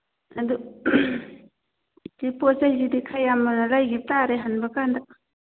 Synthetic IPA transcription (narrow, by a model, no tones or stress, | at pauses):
ɐdu | teposahiɾidikʰajamanɐlajɡip̚taɾeɦanbakanda